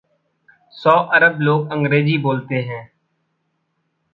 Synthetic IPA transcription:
sɔːʔəɾəbloːɡə̃ŋɡɾeːziːboːlt̪eːɦɛ̃ː

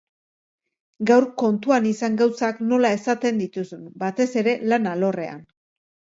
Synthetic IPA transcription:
ɡawrko̞nt̪uanisaŋɡawsakno̞lae̞sat̪e̞nd̪it̪usunbat̪e̞se̞ɾe̞lanalo̞re̞̰a̰n

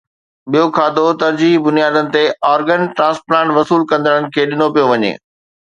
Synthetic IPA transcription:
ɓijokʰaːd̪ot̪ɐɾd͡ʑiːbʊnijaːd̪ənɪ̆t̪eɔːɾɡənʈɾãːsplãːɳʈʋɐsuːlkɐ̃nd̪əɽənɪ̆kʰeːɗɪnopijoʋɐɲḛː

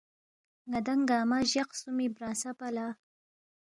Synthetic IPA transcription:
ŋad̪aŋɡaːmaʒaqsumibɾasapala

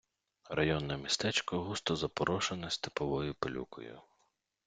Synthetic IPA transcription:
rɐjɔnːɔmʲist̪ɛt͡ʃkɔɦust̪ɔzɐpɔɾʔɔʃenɔsʲt̪epɔʋɔjʊpelʲṵkɔ̰jʊ̰

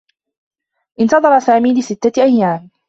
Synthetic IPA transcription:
ʔɪnt̪ɑðˤɑɾˤɑsaːmiːlɪsɪt̪ːaʔajːaːm

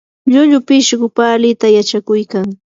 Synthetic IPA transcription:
ʎʊʎʊpɪʃɢʊpalɪt̪ajat͡ʃakʊjkaŋ

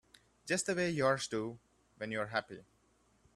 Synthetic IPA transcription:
d͡ʒʌst̚d̪əweːjɔɹsdu | ʋɛ̃njuəɹɦæpḭ

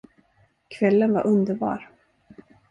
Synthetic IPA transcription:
kʰvɛlːənva̰ɾʔɵnd̪əɾbɑ̰ːɾ

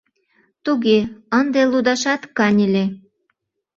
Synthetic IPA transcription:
t̪uɣeənd̪elud̪ɑʃɑt̪kɑnʲəlʲe

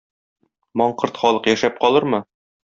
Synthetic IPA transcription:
mɒɴqɤɾt̪χɒlˠɤqjæʃæp̚qɒlˠɤɾmɤ

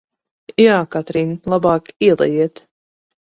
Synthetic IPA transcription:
jaːkat̪ɾinlˠabɑːkiɛlˠɛ̰jiɛt̪

